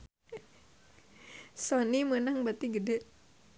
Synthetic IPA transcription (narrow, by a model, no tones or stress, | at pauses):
sonimənaŋbat̪iɡədɛʔ